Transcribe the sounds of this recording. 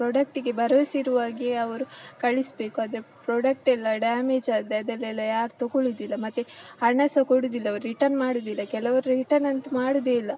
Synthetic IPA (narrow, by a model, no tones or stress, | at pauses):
pɾoːɖɐk̚ʈiɡe̞bɐɾɐʋsiɾuʋaːɡiɐʋɐɾukɐɭisbe̞ːkuaːd̪ɐɾepɾoːɖɐk̚ʈɛlːɐɖaːmed͡ʒaːd̪ɾeɐd̪ɛlːɛlːɐjaːɾt̪oɡoɭid̪ilːɐmɐt̪ːehɐɳːɐsɐkoɽid̪ilːɐːʋɾɾiʈɐɾnmaːɽud̪ilːɐkɛlɐʋɐɾuɾiʈɐɾnɐnt̪ɐmaːɽud̪elːɐ